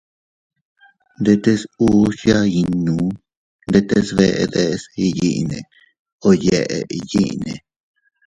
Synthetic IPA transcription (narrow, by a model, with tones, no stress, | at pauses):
nd̪e˧t̪e˦su˦ʃja˦i˧nũ˨˦ | nd̪e˧t̪e˧sβe˧ʔe˧ðe˦˧si˧ji˦ʔnẽ˨ | o˧je˧˨ʔḛ˨i˧ji˦ʔnḛ̃˨